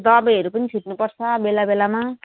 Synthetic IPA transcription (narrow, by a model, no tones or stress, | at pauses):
d̪ʌbʌʌɾupʌnit͡sʰuʈnupʌrt͡sʰʌbelabelama